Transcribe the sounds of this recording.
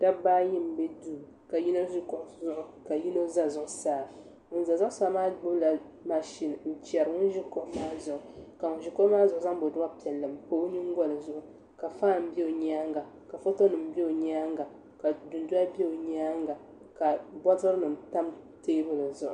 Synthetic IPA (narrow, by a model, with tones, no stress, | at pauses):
d̥a˦baː˦ji˦m̩˨bɛ˦duː˦˨ | ka˨ji˦no˦ʒi˦kɔ˦ʔzʊ˦ʔʊ˨ka˨ji˦no˦za˦zʊ˦ʔʊ˦saː˦ | ŋʊ˦n˦za˨zʊ˦ʔʊ˦saː˦maː˦ɡ͡bʊ˦bla˨ | ma˨ʃi˦n˨n̩˦t͡ʃɛ˨ɾɨ˨ŋʊ˦n˦ʒi˦ko˦ʔmaː˦zʊ˨ʔʊ˨ka˨ŋʊ˨nʒi˨˦ko˦ʔmaː˦zʊ˨ʔʊ˦za˦ŋbo˨dʊ˦a˦pi˨ɛ˨lːɨ˨mpoː˦ɲi˦ŋ˦ɡʷɔ˦lɨ˨zʊ˦ʔʊ˨ | ka˨faː˦n˨m̩˦bɛ˦o˨ɲaː˦ŋɡa˨ | ka˨fo˦to˦nɨ˨m̩˦bɛ˦o˨ɲaː˦ŋɡa˨ | ka˨dʊ˨n˦du˦a˦be˦o˨ɲaː˦ŋɡa˨ | ka˨bɔ˦tɨ˦ɾɨ˦nɨ˨m˨ta˦m | teː˦bɨ˦lɨ˨zʊ˦ʔʊ˨